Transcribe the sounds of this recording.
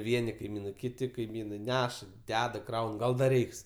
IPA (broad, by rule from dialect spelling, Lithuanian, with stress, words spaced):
ˈʋʲiɛnʲɪ kɐɪˈmʲiːnɐɪ ˈkʲɪtʲɪ kɐɪˈmʲiːnɐɪ ˈnʲæːʃɐ ˈdʲæːdɐ ˈkrɐʊn ˈɡɐlˠ ˈdɐr ˈrʲɛɪks